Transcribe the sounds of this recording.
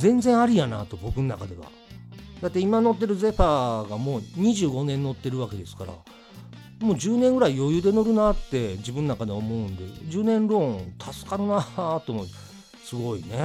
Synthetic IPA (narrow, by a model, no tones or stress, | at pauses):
zẽ̞nzẽ̞ɰ̃aɾʲijana̰t̪o̞bo̞kɯ̟nonakad̪e̞βa̰ | d̪at̪ːe̞imano̞t̪ːe̞ɾɯ̟ze̞ɸaːɡamo̞ːɲ̟iʑɨːɡo̞nẽ̞nːo̞t̪ːe̞ɾɯ̟βake̞d̪e̞sɨ̥ka̰ɾa̰ | moːd͡ʑɨːnẽ̞ŋɡɯ̟ɾaijo̞jɯd̪e̞no̞ɾɯ̟nat̪ːe̞d͡ʑibɯ̟̃nonakad̪eo̞mo̞ɯ̟̃nd̪e̞d͡ʑɨːnẽ̞nɾõ̞t̪ʰasɨ̥kaɾɯnat̪omo | sɨɡo̞ine